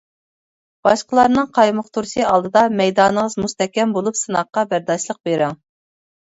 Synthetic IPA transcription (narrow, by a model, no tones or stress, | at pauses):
b̥ɑʃqəlˠɑɾnɨŋqʰɑjmʊqt̪ʰuɾsɨɑlˠd̪ɨd̪ɑmɛjd̪ɑːnəʁəzmust̪ɛkʲɛmbolˠupsɨnɑqːɑbæɾd̪ɑʃlˠəq̚beɾɪŋ